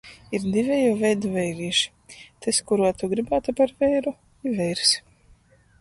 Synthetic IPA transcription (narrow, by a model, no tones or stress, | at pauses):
iɾd̪ivʲɛjoːvʲɛjd̪uvʲɛjɾiːʃi̥ | t̪ʰeskuɾuɔt̪uɡɾibaːt̪upaɾvɛjɾu | ivɛjɾs